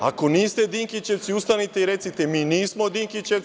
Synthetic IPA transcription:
a̰ko̞niːst̪e̞d̪iːŋkit͡ʃeʋ̪siust̪anit̪eiɾe̞t̪sit̪emiːniːsmo̞d̪iŋkit͡ɕe

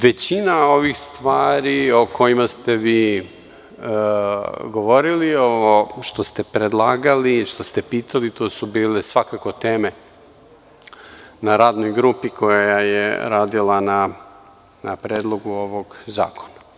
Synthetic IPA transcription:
ʋet͡ɕinao̞ʋixst̪ʋaːɾio̞ko̞jimast̪e̞ʋiː | ɡo̞ʋo̞ɾiliooʃt̪o̞st̪e̞pɾed̪lˠaːɡaliʃt̪ost̪e̞piːt̪ʰalit̪oːsubiːle̞sʋakako̞t̪e̞ːme̞ | naɾaːd̪no̞jɡɾuːpiko̞jajajḛɾaːd̪ilana | napɾeːd̪lˠo̞ɡuo̞ʋo̞ɡza̰ːko̥na

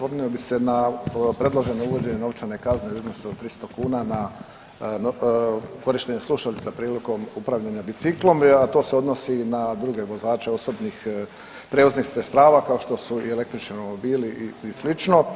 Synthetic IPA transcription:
sʋoɾniobise̞napɾe̞d̪lˠoʒe̞nouʋo̞d͡ʑe̞ɲeno̞ʋt͡ʃane̞kazneud̪nosut̪ɾist̪o̞kuːnana | n | ko̞ɾiʃt̪e̞ɲesluʃalit̪sapɾiːliko̞mupɾaʋʎaɲabit̪siklˠo̞mat̪o̞ːseo̞d̪nosinad̪ɾuɡe̞ʋo̞zaːt͡ʃe̞o̞so̞bnix | pɾe̞uznixsest̪ɾaːʋakao̞ʃt̪o̞suiele̞k̚t̪ɾit͡ʃniomobiːliʔislit͡ʃno

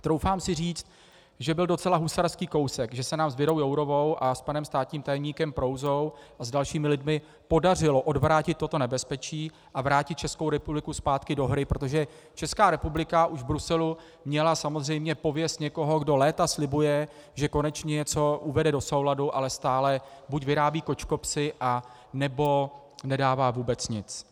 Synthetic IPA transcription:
t̪ɾo̞wfaːmsɪr̝iːt͡st̪̚ | ʒɛbɪldo̞t͡sɛlaɦusaɾskiːko̞wsɛkʒɛsɛnaːmzvɪɾo̞wjowɾo̞vo̞wʔaspanɛmst̪aːt̪ɲiːmt̪ajɛmɲiːkɛmpɾo̞wzo̞wʔazdalʃiːmɪlɪdmɪ | po̞dar̝ɪlo̞ʔo̞dvɾaːcɪt̪ːo̞t̪o̞nɛbɛspɛt͡ʃiː | ʔavɾaːcɪt̪̚t͡ʃɛskowɾɛpublɪkuspaːt̪kɪdo̞ɦɾɪpɾo̞t̪oʒɛ | t͡ʃɛskaːɾɛpublɪkaʔuʒvbɾusɛlu | mɲɛlasamozr̝ɛjmɲɛpo̞vjɛst̪ɲɛko̞ɦo̞ɡdo̞lɛːt̪aslɪbujɛ | ʒɛko̞nɛt͡ʃɲɛt͡so̞ʔuvɛdɛdoso̞wladuʔalɛst̪aːlɛbucvɪɾaːbiːko̞t͡ʃko̞psɪʔa | nɛbo̞ | nɛdaːvaːvuːbɛt͡sɲɪt͡s

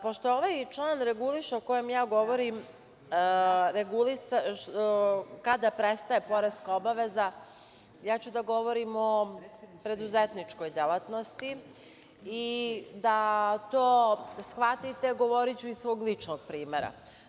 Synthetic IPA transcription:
poʃt̪ooʋajt͡ʃlˠaːnɾeɡuliʃaoko̞jemjaːɡo̞ʋoɾim | ɾeɡulisa | kad̪apɾest̪aepo̞ɾest̪kaobaʋeza | jaːt͡ɕud̪aɡo̞ʋoɾimo̞pɾe̞d̪uzet̪nit͡ʂko̞jd̪elˠat̪no̞st̪iː | d̪at̪oːsxʋat̪it̪e̞ɡo̞ʋo̞ɾit͡ɕuisʋo̞ːɡlˠit͡ʂnoɡ̥̚pɾiːmeɾa̰

